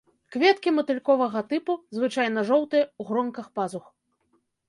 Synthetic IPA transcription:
kvʲɛt̪kʲimɐt̪ɨlʲkɔvɐɣɐt̪ɨpuzvɨt͡ʂajnɐʐɔwt̪ɨjɐuɣɾɔŋkɐxpazux

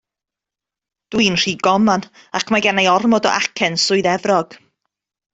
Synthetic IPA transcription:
d̥winr̥iːɡ̥ɔman | akʰmaɡanajɔrmɔdɔ̰ʔakʰɛnsʊɨðɛvrɔɡ̥

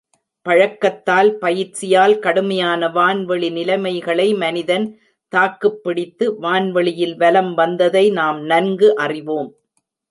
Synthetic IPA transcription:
pɐɻɐkːɐt̪ːaːlpɐjɪt͡ʃɪjaːlkɐɽɯmɐjaːnɐʋaːnʋɛɭinɪlɐɪmɐɪɣɐɭɐɪmɐnɪðɐn | t̪aːkːɯpːɪɽɪt̪ːɯʋaːnʋɐɭɪjɪlʋɐlɐmʋɐnd̪ɐðɐɪnaːmnɐnɡɯʔɐrɪʋoːm

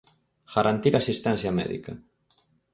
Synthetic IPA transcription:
ɣ̥aɾʔant̪iɾasist̪ɛnsjamɛ̰ðḭkɐ

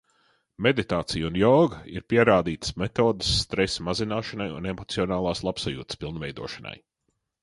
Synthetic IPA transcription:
med̪it̪aːt̪sijunjɔːɡaḭɾpiɛɾaːd̪iːt̪ə̥smet̪oːd̪əsːt̪ɾɛsmazinaːʃɐnajṵnemɔt̪siɔnaːlˠaːslˠapsajṵːt̪spilˠnvɛjd̪ṵɔʃɐna̰j

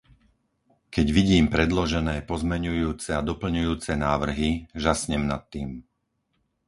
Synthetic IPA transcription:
kɛɟʋiɟiːmpɾɛd̪lɔʒɛnɛːpɔzmɛɲujuːt͡sɛad̪ɔpl̩ɲujuːt͡sɛnaːʋr̩ɦiʒasɲɛmnat̪ːiːm

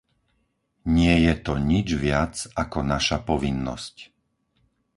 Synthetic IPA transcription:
ɲɪɛjɛt̪ɔɲid͡ʒʋɪat͡sakɔnaʃapɔʋinːɔ̰sc

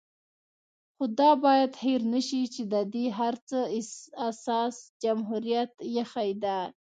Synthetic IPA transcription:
xʊd̪ɑbɑjad̪heɾnəʃit͡ʃed̪əd̪iɦaɾt͡səɪasɑsd͡ʒamɦuɾijat̪jaxajd̪a

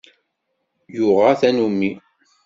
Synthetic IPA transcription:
jʊʁɑθænumːi

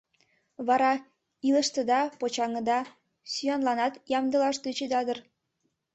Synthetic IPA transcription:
βɑɾɑ | ilə̆ʃt̪ə̆d̪ɑpot͡ɕɑŋɤ̆d̪ɑ | syjɑnlɑnɑt̪jɑmd̪ə̆lɑʃt̪ət͡ɕed̪ɑd̪ər

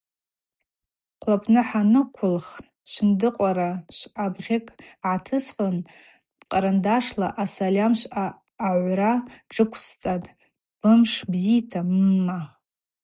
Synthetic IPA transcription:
qʷʰlapʰʼnɨħanɨkʷʰʊlχ | ʃʷndɨqʷʼaɾaʃʷabʁʲekʼʕatʰɨsqʼən | qʼaɾandaʂlaʔasalʲamʃʷaː | ʕʷraʈ͡ʂʼɨkʷʰst͡sʼatʼ | b̥ɨmʂbzitʰamːa

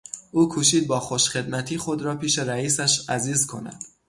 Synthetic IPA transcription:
ʔuːkʰuːʃ̬iːd̪̚bɒːxo̞ʃχe̞d̪mæt̪ʰiːxod̪ɾɒːpʰiːʃeɾæiːsæʃæziːzkʰo̞̰næ̰d̪̥

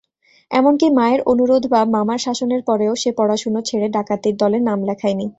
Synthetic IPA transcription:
ɛ̰monkimaeɾonuɾod̪ʱbabmamaɾʃaʃoneɾpɔɾeoʃepɔɽaʃunot͡ɕʰeɽeɖakat̪iɾd̪ɔleɾnamlɛkʰajni

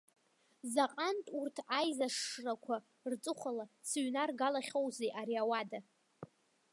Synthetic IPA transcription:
zaqʼantʼurtʰajzaʂrakʷʰa | rt͡sʼɨχʷalasɥnarɡalaχʲowzejʔaɾiawada

